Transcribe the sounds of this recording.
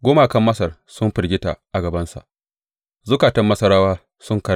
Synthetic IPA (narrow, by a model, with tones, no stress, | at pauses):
ɡʷoː˦maː˨kɐ˦mːɐ˦sɐ˨rsʊ˦mɸɪ˨rɡʲɪ˦ta˨ʔa˨ɡɐ˨bɐ˦nsa̰˨ʔ | zʊ˦kaː˨tɐ˦mːɐ˦sɐ˦ɾaː˦waː˦ | sʊ˦ŋkɐ˨˦